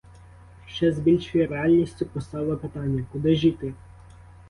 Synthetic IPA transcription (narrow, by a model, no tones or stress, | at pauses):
ʃt͡ʃɛzbʲilʲʃʊjiɾeɑlʲnʲisʲtʲʊpɔst̪ɑwlˠɐpɪt̪ɑnʲːɐkʊd̪ɪʒit̪ɪ